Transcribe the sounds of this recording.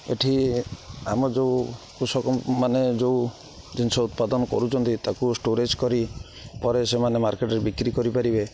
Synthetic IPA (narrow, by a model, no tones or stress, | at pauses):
ḛʈʰi | amɔd͡ʒeukusɔkɔmaned͡ʒeu | d͡ʒinsɔut̪̚pad̪ɔnɔkɔ̰ɾut͡ʃʰɔnt̪it̪akusʈoɾed͡ʒkɔɾi | pɔɾesemanemaɾkeʈɔɾebikɾikɔɾipaɾibe